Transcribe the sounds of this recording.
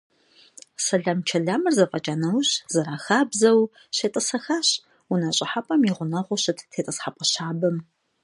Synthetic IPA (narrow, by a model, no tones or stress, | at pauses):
sɐɮɐmt͡ʃʰɐɮaːmɨrzɐqʼɐt͡ʃʼaːnɐwɕz̥ɐɾaːxaːbzɐw | ɕeːtʼɨsɐxaːɕ | ʊnɐɕʼɪħapʼɐmiʁʷʊnɐʁʷʊɕɨtʰtʰeːtʼɨsħapʼɐɕaːbɨm